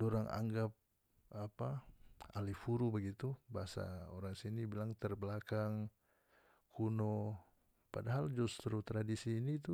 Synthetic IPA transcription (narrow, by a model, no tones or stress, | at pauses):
doɾaŋʔa̰ŋɡap̚ | apaa̰lifuɾubəɡit̪ubaɦasa̰oɾaŋsinibilaŋt̪ərbəlakaŋ | kʰuno | padaɦald͡ʒust̪ɾut̪ɾadisiːnit̪u